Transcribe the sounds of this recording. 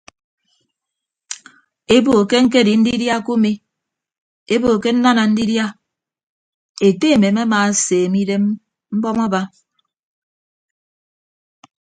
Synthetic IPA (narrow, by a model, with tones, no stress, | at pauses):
e˦bo˨ke˦ŋ̩˦k̬e˦˨di˨n̩˦di˦dja˦ku˦mi˦ | e˦bo˨ke˦n̩˦na˦na˨n̩˦di˦dja˦ | e˨te˦˨me˨ma˦maː˨seː˨mi˦de˦m | m̩˦bɔ˦mɔ˦ba˦